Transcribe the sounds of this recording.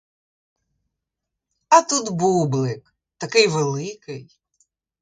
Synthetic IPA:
ɐt̪ut̪bublˠɪk | t̪ɐkɪjʋɛlˠɪkɪj

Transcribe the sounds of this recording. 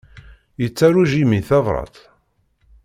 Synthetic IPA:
jət͡sːæɾuʒimiθɑvˤɾˤɑ̰t̪

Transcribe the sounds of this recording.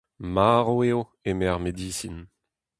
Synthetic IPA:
maʁoeːo | emɛʁmed̪iːsin

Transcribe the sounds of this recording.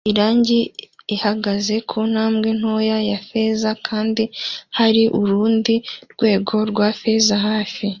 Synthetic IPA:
iɾaːɲɟiihaɡaze̞kʰon̥haːmɡe̞n̥hojajafe̞zakʰaːndihaɾiʔuɾuːndiɾɡ̥we̞ːɡo̞ɾɡwafe̞zaɦaːfi

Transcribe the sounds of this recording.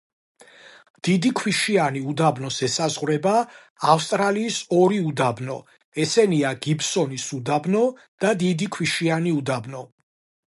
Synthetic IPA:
d̪̥id̪ikʰwiʃianiud̪abnɔsɛsazʁwɾɛbaː | fst̪ʼɾaliːsɔɾiud̪abnɔ | ɛsɛniaɡibsɔnisud̪abnɔ | d̪̥ad̪id̪ikʰwiʃianiud̪abnɔ

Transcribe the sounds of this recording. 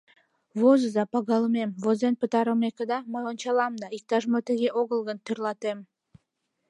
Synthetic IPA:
vozəzɑpɑɡɑlˠəmemvozenpət̪ɑɾəmekəd̪ɑmoont͡ʃɑlˠɑmd̪ɑik̚t̪ɑʒmot̪ĕɡʲeʔoɡəlˠɡənt̪ʰyɾlˠɑt̪em

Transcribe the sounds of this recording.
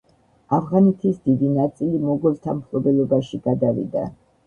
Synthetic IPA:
avʁanɛt̪ʰisd̪id̪inat̪sʼilimɔɡɔlˠt̪ʰamkʰlɔbɛlɔbaʃiɡad̪avḭd̪a̰

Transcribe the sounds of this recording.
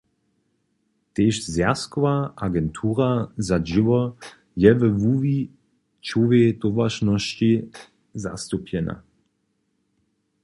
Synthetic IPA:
t̪eːʃzjaskɔvaaɡɛntʰuːʁazaʒiʋɔ | jɛvəvuːvi | t͡ʃuvet̪ovaʃnɔʃt͡ɕi | za̰st̪upʰjɛna̰

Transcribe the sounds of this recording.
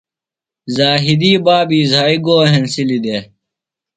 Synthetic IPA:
zaːɦid̪iːbaːbiːzaːiɡoːɦensilid̪e

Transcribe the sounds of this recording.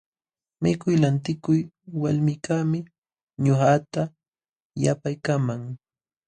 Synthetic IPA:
mɪkʊjlant̪ɪkʊj | walmɪkamɪ | ɲʊhat̪a | ja̰pajkamaŋ

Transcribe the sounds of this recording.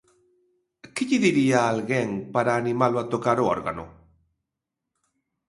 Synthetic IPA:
kiʎiðiɾiaːlɣeŋpaɾaːnimalwat̪okaɾoo̰ɾɣa̰no̰

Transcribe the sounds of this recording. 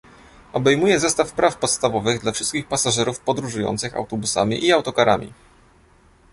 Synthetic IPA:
ɔbɛjmujɛzɛst̪afpɾafpɔt̪st̪avɔvɘɣd̪lafʂɘst̪kʲixpasaʐɛɾufpɔd̪ɾuʐujɔ̰nt̪sɘxa̰wt̪ɔbusa̰mʲḭʔiawt̪ɔkaɾa̰mʲḭ

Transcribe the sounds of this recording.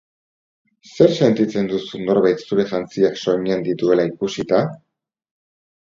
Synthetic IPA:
se̞ɾse̞nt̪it͡se̞nd̪usuno̞ɾβajt̪suɾe̞ʝant͡siakso̞ɲend̪it̪ue̞laikusit̪a

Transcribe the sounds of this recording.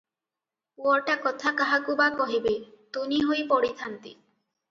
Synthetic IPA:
uɔɾʈakɔt̪ʰakaɦakubakɔɦibet̪uniɦojpɔɽit̪ʰant̪i

